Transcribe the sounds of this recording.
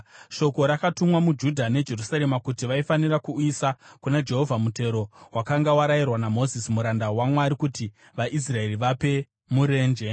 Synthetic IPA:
ʃo̞ko̞ɾakatumwamud͡ʒudʱane̞d͡ʒe̞rusaɾe̞makutiʋaifanirakuisakunad͡ʒe̞ɦo̞vʱamute̞ɾo̞wakaŋɡawaɾairwanamo̞zisimuɾandawamwaɾikuti | ʋaʔis̬rae̞riʋape̞ | muɾe̞ːnd͡ʒe̞

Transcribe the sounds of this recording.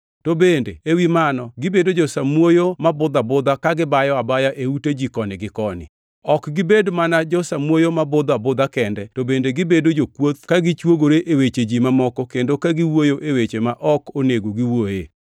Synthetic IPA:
tobendeewimanɔɡɪbedod͡ʒosamwojomabʊd̪abʊd̪akaɡɪbajɔabajaʔeuted͡ʒikɔnɪɡɪkɔnɪ̰ | ɔkɡɪbedmanad͡ʒɔsamwojomabʊd̪abʊd̪akɛndɛtobendeɡɪbedod͡ʒokwot̪̚kaɡɪt͡ʃwoɡoɾeʔewet͡ʃed͡ʒimamɔkɔkendokaɡɪwojoʔewet͡ʃemaʔɔkoneɡoɡɪwojḛ

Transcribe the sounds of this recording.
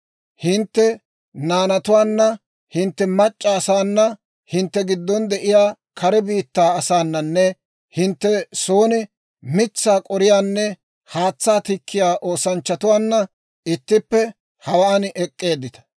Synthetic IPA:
hɪnt̪ːɛ | naːnɐt̪ʊwaːnːɐ | hɪnt̪ːɛmɐt͡ʃʼːaːsaːnːɐ | hɪnt̪ːɛɡɪd̪ːɔnd̪ɛʔɪjaː | kʰɐɾɛbiːt̪ːaːɐsaːnːɐnːɛ | hɪnt̪ːɛsoːnɪ | mɪt͡sːaːkʼɔɾɪjaːnːɛ | haːt͡sːaːt̪ɪkʰːɪjaːʔoːsɐnt͡ʃːɐt̪ʊwaːnːɐ | ɪt̪ːɪpːɛ | hɐwaːnʔɛkʼːe̞ːd̪ːɪt̪ɐ̥

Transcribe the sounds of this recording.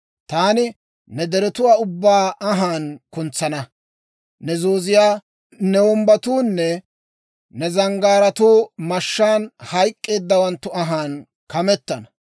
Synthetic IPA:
t̪aːnɪ | nɛd̪ɛɾɛt̪ʊwaːʊbːaːɐɦaːnkʊnt͡sːɐnɐ | nɛzoːzɪjaː | nɛwɔmbɐt̪uːnːɛ | nɛzɐŋɡaːɾɐt̪uːmɐʃːaːnhɐjkʼːe̞ːd̪ːɐwɐnt̪ːʊɐɦaːn | kɐmɛt̪ːɐnɐ

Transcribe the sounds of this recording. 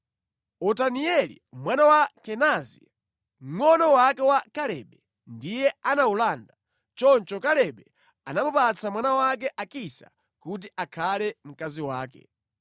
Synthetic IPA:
ɔtaniɛlḭmwanawakɛnazḭ | m̩ŋɔnɔwakɛwakalɛ̰ɓɛ | ndijɛanaulanda | t͡ʃɔnt͡ʃɔkalɛɓɛ | anamupat͡sʰamwanawak̬ɛʔakisa̰ | kut̬iʔakʰalɛm̩kaziwaːkɛ̰

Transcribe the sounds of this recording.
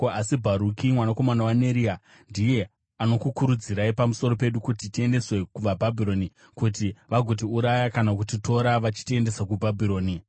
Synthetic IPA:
asibʱaɾukimwanako̞manawane̞ɾia | ndije̞ | ano̞kukuɾud͡ziɾaipamuso̞ɾo̞pe̞ɗukutitie̞nde̞swe̞kuʋabʱabʱiɾo̞ni | kutiʋaɡʱot̬iuɾajakanak̬utito̞ɾaʋat͡ʃi̥tie̞nde̞sakubʱabʱiɾo̞ːni

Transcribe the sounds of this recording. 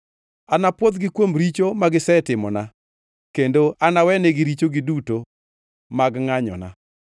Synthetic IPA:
anapwod̪ɡɪkwomɾit͡ʃomaɡɪsɛtɪmɔna | kendoanawɛneɡɪɾit͡ʃoɡɪduto | maɡŋaɲɔ̰na̰

